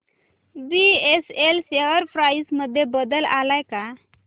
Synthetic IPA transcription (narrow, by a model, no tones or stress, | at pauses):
bieselseʋəɾfʰɾajsməd̪ʱːjebəd̪əlalajka